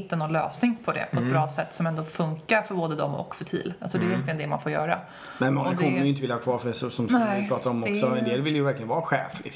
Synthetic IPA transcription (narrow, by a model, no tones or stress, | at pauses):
t̪ːənɔnlø̰ːsnɪŋpʰɔd̪ɛ̰pʰɔɛt̪bɾɑːsɛt̪ːsɔmɛnd̪ɔfɵŋkaɾfœɾboːd̪əd̪ɔ̰mɔ̰kːfœʈʰḭːlalsɔd̪ɛjɛnlɪɡənd̪ɛnma̰nfoːɾjœːɾa̰ | mɛnmɔŋːak̪ʰɔnːəjʏɪnt̪əvɪlːahɑːkʰvɑːɾfœɛsɔsɔmɛpɾɑːt̪aɾɔmɔksɔɛnd̪eːlvɪlːjəvæɾklɪɡənvɑːɾaɧɛːflɪ̰ks